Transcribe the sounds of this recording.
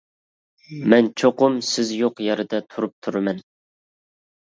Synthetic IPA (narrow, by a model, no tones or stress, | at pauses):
mɛnt͡ʃʰoqʊmsɪzjoqjɑɾɨd̪ɛt̪ʰuɾup̚t̪ʰuɾmɛn